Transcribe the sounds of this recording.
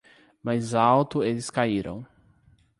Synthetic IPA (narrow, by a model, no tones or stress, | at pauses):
majzawt̪ʊelɪskaiɾɐ̰̃w̃